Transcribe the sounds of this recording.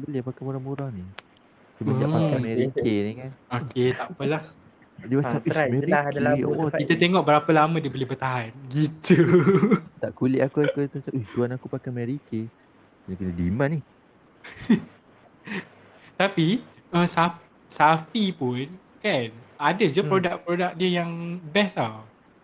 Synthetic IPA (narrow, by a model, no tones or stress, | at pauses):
bəlɪpakamuɾaŋbuɾaŋni | tumaapakamɛɾikenikanoket̪aʔpəlah | dimat͡ʃamimɛiokit̪at̪eŋɔʔbəɾapəlamadiəbəlihbət̪aɦanɡit̪u | t̪aʔkulɪʔakuak̪uit̪umat͡ʃamihtuanakupakamɛɾike | kinakunədimãnih | t̪api | əsaf | safipun | kanadəd͡ʒupɾodak̚pɾodak̚diəjaŋbɛsaw